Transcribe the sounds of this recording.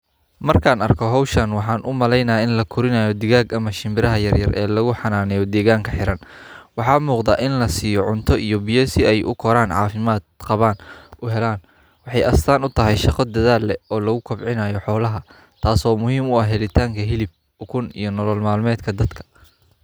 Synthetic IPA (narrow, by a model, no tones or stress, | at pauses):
mɐrkʰaːnɐrkʰɔɦɔwʃɐnwɑħɑːnʔʊmɐlɛjnɐːɪnlɐkʰʊɾɪnaːjɔd̪ɪɣaːɡɐmɐʃɪmbɪɾɐɦɐjɐrjɐrʔɛ̰ːlɐɣʊħɑnaːnɛjɔd̪ɛːɣaːŋkʰɐħɪɾɐnwɑħɑːmuːqd̪aːʔɪnlɐsiːjɔʕʊnt̪ʰɔʔijɔbijɛsɪɛjʔʊ̰kʰɔɾaːnʕɑ̰ːfɪmaːd̪qɑβaːnʔʊɦɛlaːn | wɑħɑjʔɐst̪ʰaːnʊt̪ʰɐɦɛjʃɑqɔd̪ɐðaːlːɛɔːlɐɣʊkʰɔbʕɪnaːjɔħɔːlɐɦɐ | t̪ʰaːsɔːmʊɦiːmʊɐhɦɛlɪt̪ʰaːŋkʰɐɦɪlɪb̚ | ʊkʰʊnḭjɞnɔlɔlmaːlmɛːd̪kʰɐd̪ɐd̪kʰɐ̥